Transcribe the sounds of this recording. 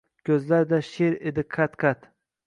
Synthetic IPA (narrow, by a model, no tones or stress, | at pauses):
kʰʲɵzlaɾd̪aʃeɾed̪ɪqʰat̪kʰat̪